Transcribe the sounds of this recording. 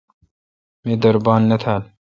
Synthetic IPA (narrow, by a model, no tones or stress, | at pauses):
meːd̪ɐɾbaːnːɐt̪ʰaːl